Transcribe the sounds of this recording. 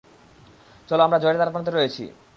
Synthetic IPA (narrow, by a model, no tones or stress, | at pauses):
t͡ɕɔloamɾad͡ʑoeɾet̪aɾapant̪eɾojet͡ɕʰḭ